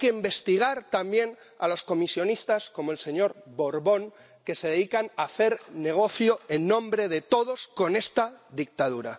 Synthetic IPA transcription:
jkeimbe̞st̪iɣ̞aɾt̪ambje̞n | a̰lo̞sko̞misjo̞nist̪asko̞mo̞else̞ɲo̞ɾβo̞ɾβo̞ŋ | ke̞se̞ðeðikanaθe̞ɾne̞ɣ̞o̞θjoenːõ̞mbɾe̞ðe̞t̪o̞ðo̞sko̞ne̞st̪aðik̚t̪að̞uɾa

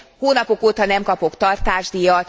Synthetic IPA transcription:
hoːnɒpo̞koːt̪ɒnɛmkɒpo̞kt̪ɒrt̪aːʒd̪ijɒ

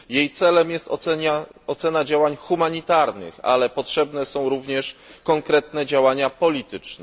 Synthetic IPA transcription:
jejt̪sɛlɛmjɛst̪ɔ̰ɛɲaɔt̪sɛnad͡ʑawaɲxumaɲit̪aɾnɘ̰xa̰lɛpɔtʂɛbnɛsɔ̃w̃ɾuvɲɛʂkɔŋkɾɛt̪nɛd͡ʑawaɲapɔlʲit̪ɘt͡ʂnɛ

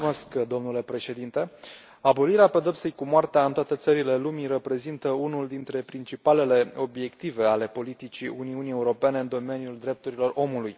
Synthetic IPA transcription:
oskd̪o̞mnule̞pɾe̞ʃe̞d̪int̪e | abo̞liɾeape̞d̪opsejkumoart̪eaɨnt̪at̪et̪səɾile̞lumirəpɾe̞zint̪əunuld̪int̪ɾe̞pɾint͡ʃipale̞le̞o̞bje̞kt̪ive̞ale̞po̞lit̪it͡ʃiuniunije̞uɾo̞pe̞ne̞ɨnd̪o̞me̞nijuld̪ɾe̞p̚t̪uɾilo̞ro̞muluj

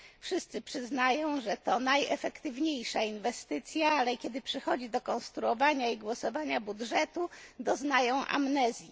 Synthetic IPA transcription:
fʂɘst̪sɘpʂɘznajɔ̃w̃ʐɛt̪ɔnajɛ̰fɛkt̪ɘvɲejʂainvɛst̪ɘt̪sʲjaalɛkʲjɛd̪ɘpʂɛxɔd͡ʑid̪ɔkɔ̃nst̪ɾuɔvaɲaiɡwɔsɔvaɲabudʐɛt̪ud̪ɔznajɔ̃w̃ʔa̰mnɛzʲji

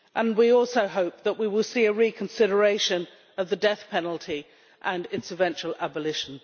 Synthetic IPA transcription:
ʔə̃nwiɔˑlˠsəʊɦoʊp̚ðəʔwiwɪlˠsiɨɹikʰə̃nsɪɾə˞eɪʃɨ̃n | ʌvðɨdɛθpʰɛnl̩ˠtʰi | ʔə̃nɪtsɨvɛ̃nt͡ʃəl̩ˠæbəlɪʃn̩

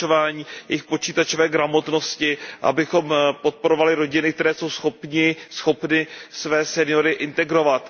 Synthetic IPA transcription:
ovaːɲiːjɛ̰jɪxpo̞t͡ʃiːt̪at͡ʃovɛːɡɾamo̞t̪no̞scɪʔa̰bɪxo̞mpo̞t̪̚po̞ɾovalɪɾo̞ɟɪnɪk̚t̪ɛɾɛːso̞wsxo̞pɲɪsxo̞pnɪsvɛːsɛnɪjo̞ɾɪʔɪnt̪ɛɡɾo̞vat̪

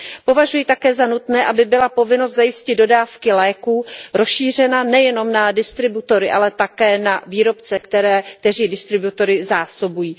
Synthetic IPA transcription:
po̞vaʒujit̪akɛːzanut̪nɛːʔabɪbɪlapo̞vɪnost̪zajɪscɪd̪do̞daːfkɪlɛːkuːɾosʃiːr̝ɛnanɛjɛno̞mnadɪst̪ɾɪbut̪o̞ɾɪʔalɛt̪akɛːnaviːɾo̞p̚t͡sɛkt̪ɛɾɛːk̚t̪ɛriːdɪst̪ɾɪbut̪o̞ɾɪzaːso̞bujiː

